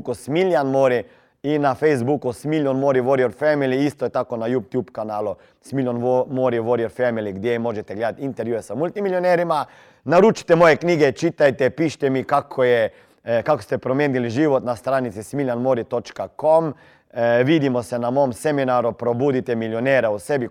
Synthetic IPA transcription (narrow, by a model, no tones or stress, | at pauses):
kusmiljanmoɾi | inːafejzbukusmiljonmoɾiʋoɾioɾfɛmiliist̪ɔjɛt̪aːkonajupt̪juːpkanaːlu | smilʲjonʋmoɾiʋoɾiɛɾfɛmiliɡd̪jemoːʒɛt̪ɛɡleːd̪at̪int̪ɛɾʋjujɛsamult̪imiljonɛɾima | naɾut͡ʃi̥t̪ɛmoːjɛkniːɡɛt͡ʃit̪ajt̪ɛpiːʃt̪ɛmikakʰɔjɛ | kako̥st̪ɛpɾomeːniliʒiːʋɔt̪nast̪ɾaːnit̪sismiljanmoːɾit̪ot͡ʃkakom | ʋid̪imɔsɛnamoːmsɛminaːɾupɾobuːd̪it̪ɛmiljonɛɾausɛbi